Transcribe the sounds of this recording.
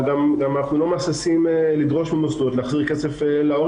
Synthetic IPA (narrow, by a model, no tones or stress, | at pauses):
ɡamɡamanaχnulo̞masisimelidʁo̞ʃmimosd̪ut̪leaχziʁket͡sefelao